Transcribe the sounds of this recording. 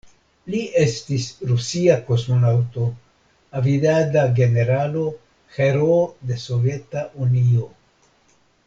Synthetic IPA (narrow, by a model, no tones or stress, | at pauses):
liʔe̞stisɾusiako̞smo̞nawto̞ | avidadaɡe̞ne̞ɾalo̞ | xe̞ɾode̞so̞vje̞taʔunio̞